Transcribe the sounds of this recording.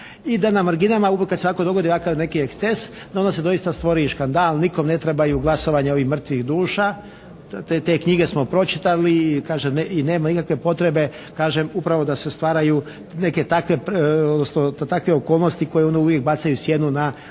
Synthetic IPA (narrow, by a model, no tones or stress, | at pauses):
id̪anamaɾɡinamauekːad̪seʋako̞d̪oɡo̞d̪iʋakaɾne̞kiekses | d̪ond̪ase̞d̪o̞ist̪ast̪ʋo̞ɾiʃkand̪aːlniko̞mne̞t̪ɾebajuɡlˠaso̞ʋaɲao̞ʋixmr̩t̪ʋiɣd̪uːʃa | t̪e̞ːkɲiɡe̞smo̞pɾo̞t͡ʃi̥t̪alikaːʒemneineːmanikakʋe̞po̞t̪ɾe̞be̞ | kaːʒemupɾaʋo̞d̪ase̞st̪ʋaːɾaju | ne̞ke̞t̪akʋepod̪nosnot̪t̪akʋeoko̞ːlˠnost̪iko̞jeonuʋjek̚bat̪sajusje̞nuna